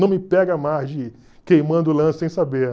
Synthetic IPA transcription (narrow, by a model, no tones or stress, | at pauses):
ɐ̃w̃mɪpɛɡɐmazd͡ʒɪ | kejmɐ̃nd̪ʊlɐ̃ssẽj̃sabe